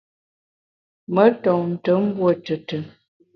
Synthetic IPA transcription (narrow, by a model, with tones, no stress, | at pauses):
mə˨˦tɔ˨ŋn̩˨tə˨˦m̩˦bwo˦˨tə˨tə˨